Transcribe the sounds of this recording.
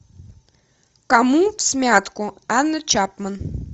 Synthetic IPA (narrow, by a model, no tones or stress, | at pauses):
kamupsʲmʲat̪kʊanːət͡ɕapmən